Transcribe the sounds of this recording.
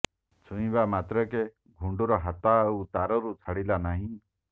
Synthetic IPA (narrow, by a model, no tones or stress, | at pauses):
sʰũĩbamat̪ɾɔke | ɡʱuɳɖuɾɔɦat̪aut̪aɾɔɾut͡sʰaɽilanaɦĩ